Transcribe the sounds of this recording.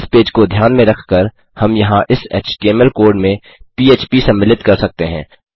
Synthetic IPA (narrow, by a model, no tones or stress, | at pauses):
speːd͡ʒkod̪ʱjaːnmẽɾɐkʰkəɾ | hɐmjɐɦãʔɪsɛ̰ːt͡ʃʈiɛmɛlkoːɾɖmẽ | piːeːt͡ʃpisɐ̃mːɪlɪt̪kɐɾsɐk̚t̪eɦɛ̰̃ː